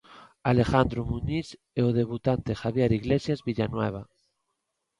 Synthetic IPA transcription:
ale̞xand̪ɾomuɲis | eoðe̞β̞ut̪ant̪exaβjeɾiɣlesjazβiʎanwḛβ̞a

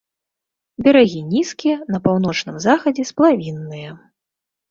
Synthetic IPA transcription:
bʲɛɾaɣʲinʲiskʲijɛnɐpawnɔt͡ʂnɨmzaxɐd͡zʲɛsplˠavʲinːɨjɐ

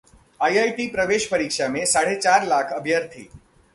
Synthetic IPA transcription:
ajajʈipɾəʋeʃpəɾikʃamẽsaɽ̤et͡ʃaɾlakʰəbʱjaɾt̪ʰḭː

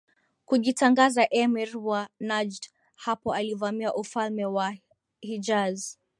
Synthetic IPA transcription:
kuʄitaŋɡazaʔɛmiɾwanad͡ʒd | hapɔalivamiaʔufalmɛwa | hid͡ʒaz

